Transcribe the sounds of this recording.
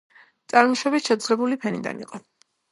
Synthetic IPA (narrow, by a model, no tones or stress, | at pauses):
t̪sʼaɾmɔʃɛbit̪ʃɛd̪zʁɛbulipʰɛnḭd̪a̰nḭqʼɔ